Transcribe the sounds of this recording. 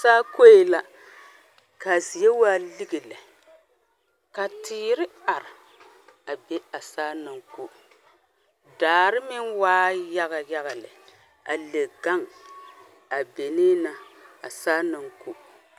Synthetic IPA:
saː˦ko˦je˨la˦ | ka˨zi˨jɛ˦waː˦li˦ɡe˨lɛ˨ | ka˨tɪː˨ɾɪ˦a˨ɾɪ˨ | a˨be˦a˨saː˦na˨ŋku˦ | daː˨ɾɪ˦mɪ˦nwaː˦ja˦ɣa˨ja˦ɣa˨lɪ̰˨ | a̰˨le˨ɡa˦ŋ | a˨be˨niː˦na˨a̰˨saː˦na˨ŋku˦

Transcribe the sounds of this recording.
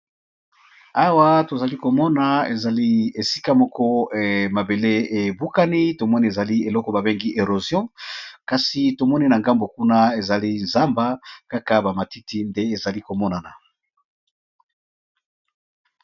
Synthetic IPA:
a˦wa˦to˨za˨li˦ko˨mɔ˦na˨e˨za˨li˦e˨si˦ka˦mɔ˦kɔ˦ma˨be˨le˦e˨bu˦ka˦ni˦to˨mɔ˦ni˦e˨za˨li˦e˨lɔ˦kɔ˦ba˨be˦ŋɡi˦ʔe˨ʁo˨zjɔ̃˦ka˨si˨to˨mɔ˦ni˦na˨ŋɡa˦mbo˨ku˦na˦e˨za˨li˦nza˦mba˦ka˦ka˦ba˨ma˨ti˦ti˦nde˦e˨za˨li˦ko˨mɔ˦na˨na˨

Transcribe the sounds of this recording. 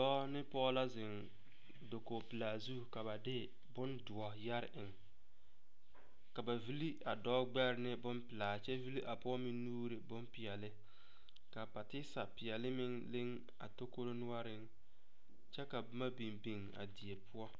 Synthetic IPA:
dɔː˦nɪ˦pɔ˦la˦zɪ˨ŋ | do˨ko˨pɪ˨laː˨zu˦˨ka˨ba˨dɪ˦ | bʊ˦ndʊ˨ɔ˨ja˦ɾɪ˨ŋ | ka˨ba˨vi˦li˦a˨dɔː˦ɡ͡bɛ˦ɾɪ˦nɪ˦bʊ˦npɪ˨laː˨t͡ʃɛ˦vi˦li˦ʔa˨pɔ˦mɪ˦nuː˦ɾɪ˨bʊ˦mpɪ˨ɛ˨lɪ˦ | ka˨pa˨tɪ˦sa˨pɪ˨jɛ˨lɪ˦mɪ˦ŋlɪ˦ŋ | a̰˨to˦ko˦ɾo˦nʊ˦a˦ɾɪ˦ŋ | t͡ʃɛ˦ka˨bʊ˦ma˦bi˨nbi˨ŋa̰˨di˨e˨pʰʊ˦ɔ˦

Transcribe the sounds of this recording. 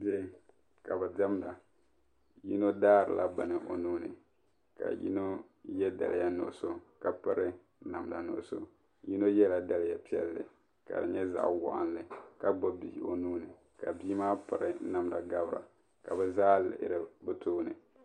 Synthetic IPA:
bi˦ɛ˦ | ka˨bɛ˨dɛ˦mda˨ | ji˦no˦daː˦ɾɨ̰˨lʔa˦ba˨nɨ˨ʔo˨nuː˦nɨ˨ | ka̰˨jḭ˦no˦ | jɛ˦da̰˨lɪ˨ja˦nʊ̰˨so˦ka˨pɨ˦ɾɨ˦ | na˨mda˨no̰˨so̰˦ | ji˦no˦jɛ˦la˨da˦lɪ˦ja˨pi˦ɛ˦lːɨ̰˨ | ka̰˨dɨ˨ɲɛ˦za̰˨ʔwɔ̰˨ʔa̰˦n˦lɨ˨ka˦ɡ͡bɔ˦bḭ˨o̰˨nuː˦nɨ˨ | ka˨biː˦maː˦pɨ˨ɾɨ˨˦na˨mda˨ɡa˦bɾa̰˨ | ka˨bɛ˦zaː˦lɪ̰˨ʔɪ̰˦ɾɨ˨bɨ˦toː˦nɨ̰˨

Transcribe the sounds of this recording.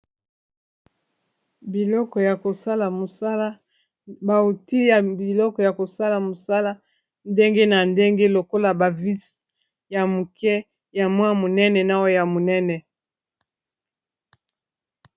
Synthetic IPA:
bi˨lɔ˦kɔ˨ja˨ko˨sa˦la˨mo˨sa˦la˦ | ba˨o˨ti˦ja˨bi˨lɔ˦kɔ˨ja˨ko˨sa˦la˨mo˨sa˦la˦ | nde˦ŋɡe˦na˨nde˦ŋɡe˦lo˨ko˦la˨ba˨vi˦s | ja˨mu˨kɛ˦ | ja˨mwa˦mo˨nɛ˦nɛ˨na˦wɔ˦ja˨mo˨nɛ˦nɛ˨

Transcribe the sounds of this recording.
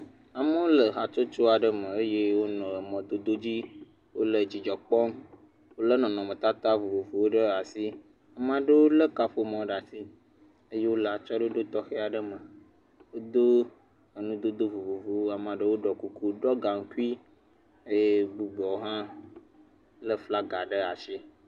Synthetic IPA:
a˨mə˦wo˦lə˨ɦa˨t͡ʃo˦t͡ʃo˦a˨ɖə˦mə̃˨ə˦je˦wo˦nɔ̃˨mɔ̃˨d̪o˦d̪o˦d͡ʑi˦ | wo˦lə˨d͡ʑi˨d͡ʒɔ˨k͡pɔ˦m | wo˦lə˦nɔ̃˨nɔ̃˨mə̃˨t̪a˦t̪a˦vu˨vu˨vu˨wo˦ɖə˦a˨si˦ | a˨m˦ã˨ɖə˦wo˦lə˦ka˦ɸo˦mɔ̃˨˦ɖa˨si˦ | ə˦je˦wo˦lə˦˨a˨t͡ʃɔ˦ɖə˦o˦ɖo˦t̪ɔ˦xe˦a˨ɖə˦mə̃˨ | wo˦d̪o˦ | ə˨nũ˦d̪o˦d̪o˦vu˨vu˨vu˨wo˦a˨mã˨ɖə˦wo˦ɖɔ˨ku˨ku˦ɖɔ˦ɡa˨ŋ̩˦ku˦i˦ | e˦je˦bu˨ɡ͡bɔ˨wo˦ɦã˦ | lə˦fla˦ɡa˨ɖə˦a˨ʃi˦

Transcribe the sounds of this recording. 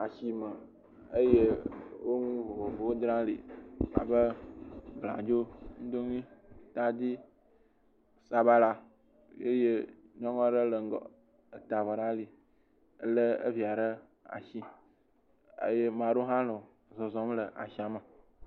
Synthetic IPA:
a˨ʃi˨mə˨ | ə˦je˦wo˦ŋũ˦vo˨vo˨vo˨wo˦d̪ɾã˦lḭ˨a̰˨bə˦bl̃a̰˨d͡ʒo˦ŋ̩̃˦d̪o˦n˦ĩ˦t̪a˦d̪i˦ | sa˨ba˦la˨ | jḛ˦je˦ɲɔ̃˦ŋɔ̃˦ɖə˦lə˨ŋ˦ɡɔ̰˨ | ə˨t̪a˨vɔ˨ɖa˦li˨˦ | lə˦ə̰˦vi˨a˨ɖə˦ | a̰˨ʃi˦ | ḛ˦je˦mã˨ɖo˦ɦã˦lɔ̃˨ | zɔ˨zɔ̃˨m˦lə˨ʔa̰˨ʃi˨a˨mə˨

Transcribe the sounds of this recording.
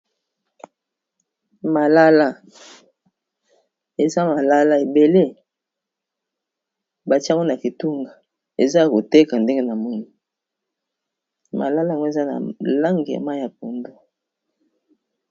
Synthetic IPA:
ma˨la˦la˦ | e˨za˦ma˨la˦la˦e˨be˨le˦ | ba˨ti˦a˦ŋɔ˦n˨a˨ki˨tu˦ŋɡa˨ | e˨za˦a˨ko˨te˦ka˨nde˦ŋɡe˦na˨mɔ˦ni˨ | ma̰˨la˦la˦˨ŋɡo˦e˨za˦na̰˨la˦ŋɡi˨ja̰˨ma˦ja˨p̚o˨ndo˦

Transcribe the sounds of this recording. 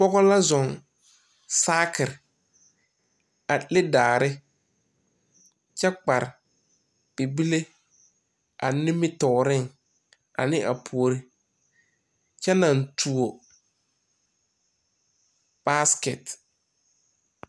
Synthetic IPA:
pɔ˦ɣɔ˦la˦zɔ˨ŋ | saː˦kɪ˨ɾ | a˨lɪ˦daː˨ɾɪ˦ | t͡ʃɛ˦k͡pa˨ɾɪ˨ | b̥i˨bi˦le˦ | ʔa˨nɪ˦mɪ˦tɔː˨ɾɪ˦˨ŋ | a̰˨nɪ̃˦ʔa̰˨pʰu˨o˨ɾi˦ | t͡ʃɛ˦na˨ntʰu˨o˨ | b̥a˦skɛ˨t

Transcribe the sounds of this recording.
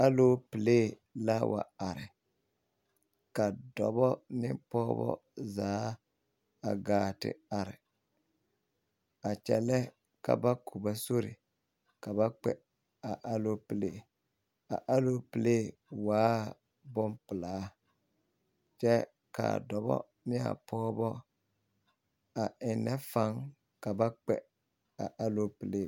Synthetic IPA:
a˦lo˦pɨ˨leː˦˨ | la˦wʔa̰˨a˨ɾɪ˨ | ka˨dɔ˨bɔ˦nɪ˦pɔ˦bɔ̰˦zaː˨˦ | a˨ɡaː˨tɪ̰˦a˨ɾɪ˨ | a˨t͡ʃɛ̰˨lɛ˦ | ka̰˨ba˦kʰu˨ba˨so˦ɾɪ̰˨ | ka˨ba˦k͡pɛ̰˨ | a˨ʔa˦lo˦pɨ˦˨lḛː˨ | a̰˨ʔa˦lo˦pɨ˨leː˦ | waː˨˦ | bɔ˦mpɨ˨laː˨˦ | t͡ʃɛ˦ | ka̰˨dɔ˨bɔ̰˦ | nɪ˦a̰˨pʰɔː˦bɔ˦ | a˨ɪ˨nɛ˦fa˨˦ŋ | ka˨ba˦k͡pɛ̰˨ | a̰˨ʔa˦lo˦pɨ˨leː˦˨

